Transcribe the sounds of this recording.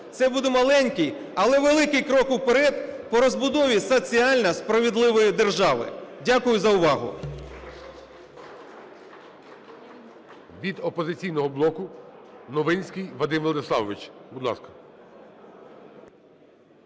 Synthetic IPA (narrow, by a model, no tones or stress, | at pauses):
t̪sɛbud̪ɛmɐlˠɛnʲkɪj | ɐlˠɛʋelˠɪkɪjkɾɔkʊpeɾɛd̪pɔɾɔzbʊd̪ɔʋʲisɔt͡sʲiɑlʲnɐspɾɐʋʲɪd̪lˠɪʋɔjid̪erʒɑʋɪ̰dʲakʊjʊzɐʊʋɑɦʊ̰ | ʋʲid̪ɔpɔzɪt͡sʲijnɔɦɔblˠɔkʊnɔʋɪnʲsʲkɪjʋɐd̪ɪmʋlˠɔd̪ɪslˠɑ̰ʋɔʋɪt͡ʃbud̪lˠɑ̰skɐ̥